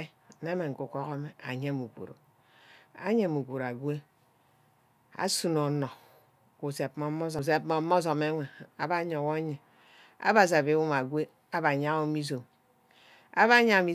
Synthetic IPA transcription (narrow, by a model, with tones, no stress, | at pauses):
ne˦me˨ŋ̩˨ku˨ko˦ko˦me˨a̰˨ɲe˦mu˨kʷo̰˨ɾo̰˨ | a̰˦ɲe˦˨mu˨kʷo˨ɾa˨ɡwe˦ | a̰˦su˦no˨nɔ˨ | ku˨se˨pmo˨˦mo˦zo˨se˨pmo˨˦mo˦z̬o˨me˦ŋʷe˨a˨ba˦ɲo˨wo˦ɲe˨ | a̰˦ba˨s̬a˨be˨˦wu˦ma˨ɡwe˦ | a˦ba˨ɲa˦o˦mi˦s̬o˨m | a̰˦βa˦ɲa˦˨mi˦